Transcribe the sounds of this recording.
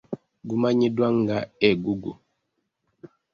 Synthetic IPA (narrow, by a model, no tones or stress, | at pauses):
ɡumaɲidwaŋɡaɛɡuɡu